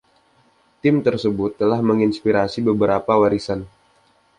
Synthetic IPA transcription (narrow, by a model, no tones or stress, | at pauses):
t̪ɪmt̪ərsəbʊt̪ːəlahməŋinspiɾasibəbəɾapawaɾisan